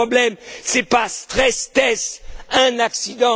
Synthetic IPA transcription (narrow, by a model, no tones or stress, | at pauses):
ɔblɛmsɛpast̪χɛst̪ɛsɛ̃naksid̪ɑ̃